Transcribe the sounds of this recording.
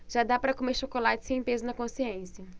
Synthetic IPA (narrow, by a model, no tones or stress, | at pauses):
ʒ̥ad̪apɾɐkomeɾʃokolat͡ʃɪ̥sẽj̃pezɐnɐkõsiẽsiɐ